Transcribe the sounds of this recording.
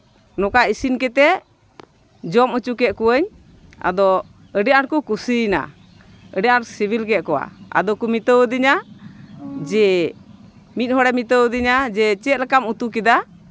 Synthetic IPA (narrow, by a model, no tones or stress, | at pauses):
nɔkaisinkɛt̪ɛ | d͡ʒɔmət͡ʃukɛʔ̪̚kuəɲ | a̰d̪ɔ | əɖiaʔankukusina̰ | əɖijaʔaɾsibʱilkɛt̪̚kɔwa̰a̰d̪ɔkumit̪əwd̪iɲa | d͡ʒɛ | mit̪̚hɔɽɛmit̪əwəd̪iɲad͡ʒɛt͡ʃɛt̪̚lɛkamut̪ukid̪a